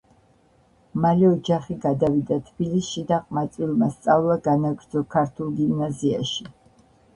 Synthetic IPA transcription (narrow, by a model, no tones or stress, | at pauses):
maliɔd͡ʒaχiɡad̪avid̪at̪ʰbilisʃid̪aqʼmat̪sʼwilˠmast̪sʼavlˠaɡanaɡɾd̪zɔkʰaɾt̪ʰulˠɡimnazia̰ʃi